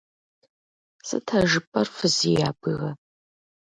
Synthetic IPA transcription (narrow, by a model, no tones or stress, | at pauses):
sɨ̰tʰɐʒɨpʼɐrfɨzijaːbʼɨɣɐ